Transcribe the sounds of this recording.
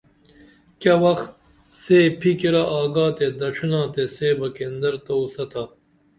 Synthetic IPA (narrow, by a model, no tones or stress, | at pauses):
kɐwɐxt̪ | seːpʰikiɾaʔaːɡaːt̪ed̪ɐʂinãːt̪eseːbɐkend̪ɐɾt̪ɐusɐt̪a